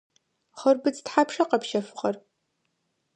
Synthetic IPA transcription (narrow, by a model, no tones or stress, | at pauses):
χərbɨt͡stħapʰʂɐqɐpʃɐfɨqʼɐr